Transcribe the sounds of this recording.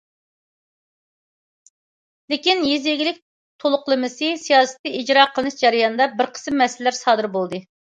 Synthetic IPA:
lɪkʲinjizjeɡʲilɪk̚ʲ | t̪ʰolˠʊqlˠɨmɨsɨsijɑːsɨ̥t̪ːɨid͡ʒɾɑːqʰəlˠɨnɨʃd͡ʒɑɾɪjɑnɨd̪ɑbɪɾqʰə̥smːɛsɪlːæɾsɑːd̪ɨɾbolˠd̪ɨ

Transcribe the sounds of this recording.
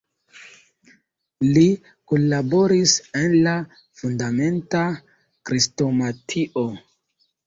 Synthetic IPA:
li | konlabo̞ɾisenla | fundame̞nta | kɾisto̞matʰiʔo

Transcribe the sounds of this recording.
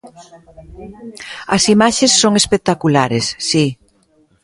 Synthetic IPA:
ɐsimaʃesːoŋespet̪akulaɾesːi

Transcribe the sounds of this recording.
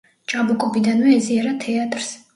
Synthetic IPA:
t͡ʃʼabukʼɔbid̪anwɛɛziaɾat̪ʰɛat̪ʼɾs

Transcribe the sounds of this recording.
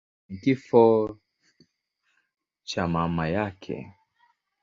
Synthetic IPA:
ŋ̩kifɔ | t͡ʃamamajakʰɛ̰

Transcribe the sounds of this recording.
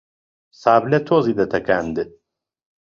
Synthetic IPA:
saːblɛt̪ʰoːzid̪ɛt̪ʰɛkaːnd̪ɨ

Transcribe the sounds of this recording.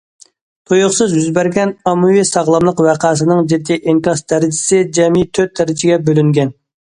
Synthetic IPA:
t̪ʰojʊχsɨzjyzbæɾɡʲɛnɑmuwisɑʁlˠɑmlˠəqwæqʰɑːs̬ɨnɨŋd͡ʒid̪ːiʔeŋkɑst̪ʰæɾɪd͡ʒɪsɪd͡ʒɛmit̪ʰøt̪ʰːæɾɪd͡ʒɪɡʲɛbølyŋɡʲɛn

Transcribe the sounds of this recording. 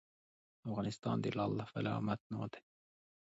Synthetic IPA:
ɑfɣɑnist̪ɑ̰ːnd̪ilɑlːɑfælɑ̰mɑt̪no̰ːt̪e̥

